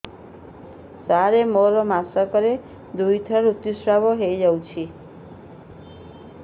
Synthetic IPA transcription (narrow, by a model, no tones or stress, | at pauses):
saɾemɔɾɔmasɔkɔɾe | d̪ujt̪ʰʌɾut̪ːusɾabɔɦejd͡ʒawt͡ʃʰi